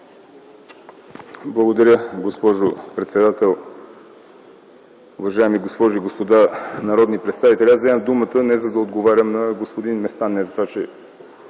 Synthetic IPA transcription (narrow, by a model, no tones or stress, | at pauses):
blˠəɡod̪ɐɾʲəɡospɔʒopɾɛt̪sɛd̪at̪ɛlˠ | ʊvɐʒaɛmiɡospɔʒuiɡospod̪anɐɾɔd̪nipɾɛt̪st̪avit̪ɛlʲiaszɛməmd̪umət̪ənɛzɐd̪ɐod̪ɡovaɾʲəmnɐɡospod̪inmɛst̪anːɛzɐt̪ovat͡ʃɛ